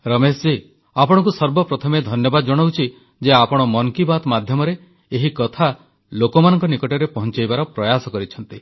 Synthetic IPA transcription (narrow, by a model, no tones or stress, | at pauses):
ɾɔmesd͡ʒi | apɔɽ̃ɔŋkusɔɾbɔpɾɔt̪ʰɔmed̪ʱɔnjɔbad̪ɔd͡ʒɔɽ̃owt͡ʃʰi | d͡ʒeapɔɽ̃ɔmɔŋkibad̪mad̪ʱjɔmɔɾeː | ɦikɔt̪ʰa | lokɔmanɔŋkɔnikɔʈɔɾepɔɦɔ̃nt͡ʃajbaɾɔpɾɔjasɔkɔɾit͡ʃʰɔnt̪i